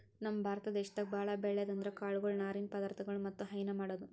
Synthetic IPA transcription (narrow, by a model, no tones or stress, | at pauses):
nɐmːɐbʱaːɾɐt̪ɐd̪ɛːʃɐt̪ɐɡ̚bʱaːɭɐbɛɭːed̪ɐnd̪ɐɾekaːɭuɡɐɭnaːɾiːnpɐd̪aɾt̪ʰɐɡɐɭumɐt̪ːuɦɐjnɐmaːɽɐd̪u